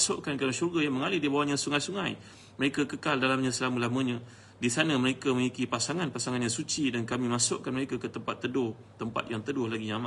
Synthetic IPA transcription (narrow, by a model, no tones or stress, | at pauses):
sʊʔkankamʃurɡajaŋməŋalɪhdiəbawaɲasuŋajsuŋaj | məɾekakəkaldalamɲãsəlaməlaməɲã | disanəməɾekaməŋikipasaŋanpasaŋanjaŋsut͡ʃidankamimasʊʔkanməɾekakət̪əmpat̪ːədʊh | t̪əmpa̰t̪̚jaŋt̪ədʊhlaɡijaŋama